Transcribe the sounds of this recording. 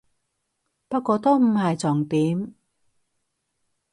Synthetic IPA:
pɐ˥t̚kʷɔː˧t̪o˥m̩˨˩hɐ˨jt͡sɔː˨˩ŋpiː˨˥m

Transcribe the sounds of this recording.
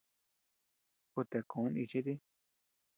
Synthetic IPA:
ku˧t̪e˨kõ˨˦nĩ˧t͡ʃi˦t̪̬i˦

